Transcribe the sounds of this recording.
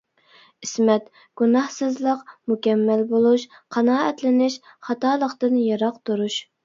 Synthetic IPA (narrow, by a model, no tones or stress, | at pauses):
ɪsmɛt̪ | ɡ̥unɑhsɨzlˠəqmukʲɛmːɛlbolˠuʃqʰɑnɑːɛt̪lɪnɪʃ | χɑt̪ɑːlˠəqt̪ɨnjɑɾɑqt̪ʰuɾuʃ